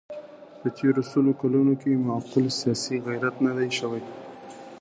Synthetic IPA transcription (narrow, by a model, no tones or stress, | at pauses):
pət̪ʰeɾosolokalunokemaqʊlsijɑsiɣajɾat̪nad̪ajʃəwaj